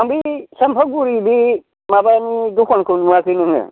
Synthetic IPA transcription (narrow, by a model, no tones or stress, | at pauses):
aŋbisampʰak̚buɾibi | mabanidukʰɔnkʰɯnmuakʰɯnɯŋɯ̰